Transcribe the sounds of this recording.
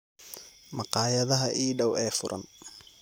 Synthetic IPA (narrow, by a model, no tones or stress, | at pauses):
mɑqɑːjɐðɐɦɐʔiːɖɐwɛːfʊɾʔɐ̰n